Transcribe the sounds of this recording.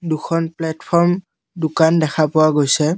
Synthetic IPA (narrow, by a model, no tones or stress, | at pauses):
duxʰɔnplɛtpʰɔɹm | dʊkandɛxʰapʊwaɡojsɛ